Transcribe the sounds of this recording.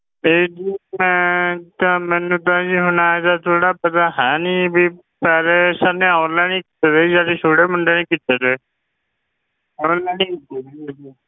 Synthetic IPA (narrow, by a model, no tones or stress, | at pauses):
eːd͡ʒiːmɛ̃ːt̪ãmɛ̃ːnũːt̪̬ãːd͡ʒiːɦʊnaːɛt̪aːt̪ʰoːɽaːpət̪aːɦɛ̃ːnĩːbiː | pɛːleːsanẽːɔ̃ːnlaːnĩːkɪ̥t̪eːd̪eːd͡ʒaːɾeːsoːɽeːməɳɖeːniːkɪt̪ed̪eː | ɛɔ̃nlaːniːkɪt̪ed̪eːed͡ʒiː